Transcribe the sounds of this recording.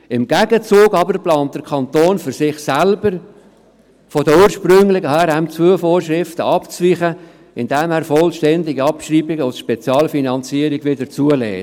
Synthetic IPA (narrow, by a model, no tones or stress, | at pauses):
ɪmɡ̥æɡət͡suːɡɑbəɾplɑːnt̚d̥̪əɾkʰɑnt̪oːnfʏɾsɪχsælbəɾ | fɔdəuːɾʃpɾɵŋlɪɡəhæɾæmt͡sʋuəfoːɾʃɾɪftəʔɑpt͡sʋiχə | ɪnd̥ɛmhæːɾfɔlʃtɛndɪɡiɑpʃriːbɪɡəɔsʃpɛt͡sjɑːlfinɑnt͡siəɾɪɡʋɪdəɾt͡suəlɛ̰ː